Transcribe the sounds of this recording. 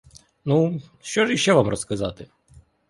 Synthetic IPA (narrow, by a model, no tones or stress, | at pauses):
nuʃt͡ʃɔʐiʃɛʋamrɔskɐzɑt̪ɪ